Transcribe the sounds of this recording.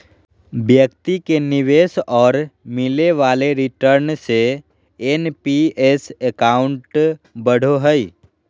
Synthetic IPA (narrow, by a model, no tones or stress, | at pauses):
bjəkt̪ikenɪʋeːsɔːɾmɪleʋaːleɾɪʈəɾnse | enpiesekaːʊ̃ɳʈbəɽ̤oɦəi